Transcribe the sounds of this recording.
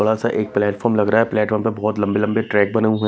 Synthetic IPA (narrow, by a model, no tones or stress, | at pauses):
ɐɽasaʔeːk̚plɛːʈfɔːɾmlɐɡɾaaɦɛplɛːʈfɔːɾmpebɔːt̪lɐ̃mbelɐ̃mbeʈɾɛːk̚bɐneũɦu